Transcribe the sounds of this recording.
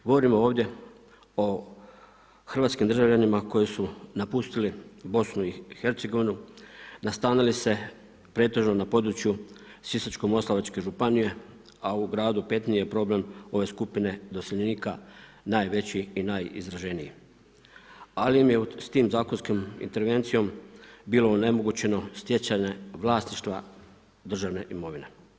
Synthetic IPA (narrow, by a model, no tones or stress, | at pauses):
ɡo̞ʋo̞ɾimo̞o̞ːʋd̪ʲje̞ | o̞ | xɾr̩ʋat̪skimd̪ɾrʒaʋʎanimako̞jisunapust̪ilibo̞snuixe̞ɾt̪se̞ɡo̞ʋinunast̪aːnilise̞ | pɾe̞ːt̪e̞ʒno̞napo̞d̪ɾut͡ɕju | sisat͡ʃko̞mo̞slˠaʋat͡ʃke̞ʒupanije | auɡɾaːd̪upe̞t̪nijepɾo̞ble̞mo̞ʋe̞ːskupine̞d̪o̞seʎeniːka | naːjʋe̞t͡ɕiinaːjḭzɾaʒe̞niji | alimje̞ust̪iːmzaːko̞nskomḭnt̪e̞ɾʋe̞nt̪sijo̞mbiːlo̞one̞mo̞ɡut͡ɕe̞no̞st̪je̞t͡ɕaɲe̞ʋlˠaːsniʃt̪ʋa | d̪r̩ʒaʋne̞̰ʔimo̞ʋine̞